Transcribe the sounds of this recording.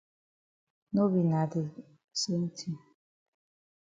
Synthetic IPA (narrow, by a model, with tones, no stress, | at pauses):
no˦bi˨na˨dɪ˨ | so˦n̩˦tʰi˦